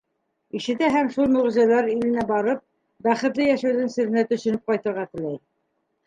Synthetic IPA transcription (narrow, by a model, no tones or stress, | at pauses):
iʃɘ̆t̪æɦæmʃulˠmɵ̆ʁ̆zælæɾilɘ̆næbɑɾɤp̚ | bæχɘ̆t̪lɘjæʃæwðɘŋsɘ̆ɾɘ̆næt̪ɵ̆ʃɵ̆nɘp̚qɑjt̪ɤ̆ɾʁɑt̪ɘ̆læj